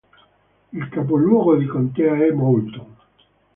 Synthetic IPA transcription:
ilkap̬olwɔːɡod̪ikont̪eaɛmolt̪o

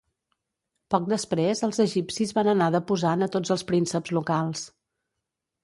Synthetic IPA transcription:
pɔk̚d̪əspɾezəlˠzəʒipsizβanənaðəpuzanət̪od͡zəlˠspɾinsəbzlukalˠs

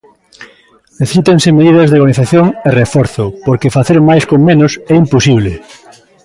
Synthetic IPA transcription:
neθe̥sit̪eŋsɪmeðiðɐzðeɣoniθaθjoŋerefɔɾθʊpoɾkefaθeɾmajskoŋmenʊsɛimpusiβle

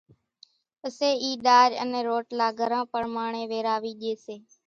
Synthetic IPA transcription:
əseːiːɗaːɾə̰nẽːɾoːʈlaːɡʱəɾãːpəɾmaːɳẽːʋeːɾaːʋiːɗeːseː

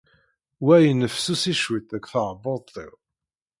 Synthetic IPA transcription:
wæjənːəfsusiʃwiθækʷːθəʕboðˤt̪ˤḭʁ

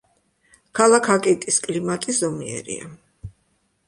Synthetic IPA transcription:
kʰalˠakʰakʼit̪ʼiskʼlimat̪ʼiszɔmiɛ̰ɾḭa̰

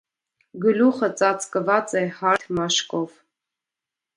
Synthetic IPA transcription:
ɡəluχət͡sʼɑt͡sʼkʼəvɑt͡sʼɛhɑɾt̪ʰmɑʃkɔv

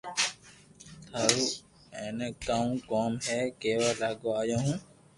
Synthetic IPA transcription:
t̪ʰaːɾu | eːnekaũkɔːmɦɛkeːʋalaːɡoaːjaɦũ

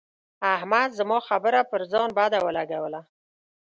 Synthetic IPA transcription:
ahmad̪zəmɑxabəɾapəɾzɑnbad̪awəlaɡawəla

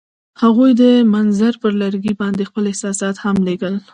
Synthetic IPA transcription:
haɣujd̪əmanzaɾpəɾlaɾɡibɑnd̪expəlɪhsɑsɑt̪hamleɡəl

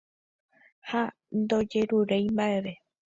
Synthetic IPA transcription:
ha | nd̪o̞d͡ʒeɾuɾejmbaeɾe

